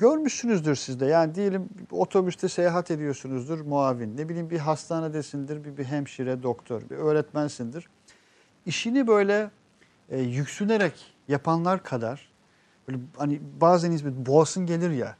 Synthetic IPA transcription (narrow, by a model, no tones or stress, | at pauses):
ɟøɾmyʃsynyzd̪iɾsizd̪ɛjaːnid̪ije̞lʲimo̞t̪ʰo̞byst̪ʰɛsejaɦat̪ʰe̞d̪ijo̞ɾsunuzd̪iɾmoaːvinːe̞bilʲiːmbiɦast̪ʰaːnad̪esind̪iɾbibiɦɛmʃiɾɛd̪o̞kt̪ʰo̰ɾvɛ̰ø̞ːɾɛt̪mænsind̪iɾ̥ | iʃinibø̞jlʲɛː | jycsyne̞ɾɛc | japʰanlˠaɾkʰad̪aɾ̥ | bøjlʲɛhanibaːzænisbiboasɯnɟe̞lʲiɾja̰